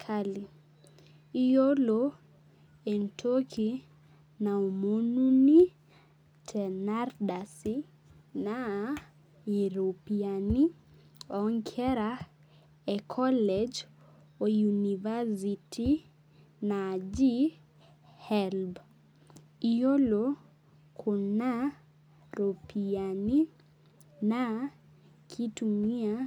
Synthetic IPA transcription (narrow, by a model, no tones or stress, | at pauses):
kʰali | ijolo | entʰokʰi | naumonuni | tʰɛnarɗasi | na | iɾopiani | ɔŋkʰɛɾa | ɛkʰɔlɛd͡ʒ | ojunivasitʰi | nad͡ʒi | hɛlb | ijolo | kʰʊna | ɾopiani | na | kʰitumia